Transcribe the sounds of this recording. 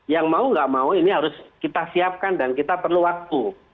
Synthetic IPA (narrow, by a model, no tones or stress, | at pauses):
jaŋmauŋɡaʔmauiniɦaɾʊskit̪asiap̚kandankit̪apərluwak̚t̪u